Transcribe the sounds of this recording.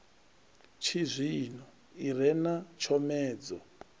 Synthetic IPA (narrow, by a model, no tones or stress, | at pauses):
t͡ʃʰizʷinɔ | irɛnat͡ʃʰɔmɛːd͡zɔ